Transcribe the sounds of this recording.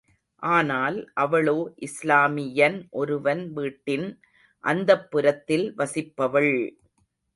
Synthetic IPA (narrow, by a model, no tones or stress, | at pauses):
ʔaːnaːlʔɐʋɐɭoːʔɪslaːmɪjɐnʔɔɾɯʋɐnʋiːʈːɪn | ʔɐnd̪ɐpːɪɾɐt̪ːɪlʋɐsɪpːɐʋɐɭ